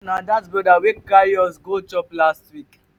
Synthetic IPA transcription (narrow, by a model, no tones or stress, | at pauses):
nadatsbɔdawekkajɔsɡot͡ʃɔplastwik